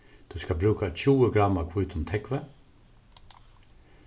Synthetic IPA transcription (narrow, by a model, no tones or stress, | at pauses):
t̪ʰʉskabɾʉːkat͡ʃʰuːəɡɾamakʰvuːt̪ʰʊmt̪ʰɛkʋə